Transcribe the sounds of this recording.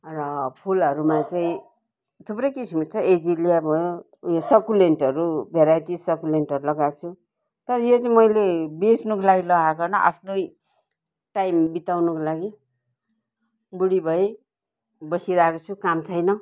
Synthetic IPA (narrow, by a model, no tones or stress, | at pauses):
rʌpʰulʌɾumat͡saĩ | t̪ʰuprʌjkisimut͡sʰʌed͡zilijabʱʌjo | sʌkuleɳʈʌɾubʱeɾajt̪isʌkulenʈʌɾulʌɡakt͡sʰu | t̪ʌɾʌjot͡saĩmʌjlebesnukolaɡilʌɡakʌnʌʔa̰pʰnoj | ʈajmbit̪awnʌkolaɡi | buɽibʱʌe | bʌsiɾakot͡sʰukamt͡sʰʌjnʌ